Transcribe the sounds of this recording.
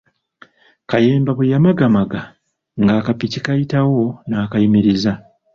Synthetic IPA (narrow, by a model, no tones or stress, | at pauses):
kajeːmbaβujamaɡamaɡa | ŋɡaːkapicikajitawo̞naːkajimiɾiza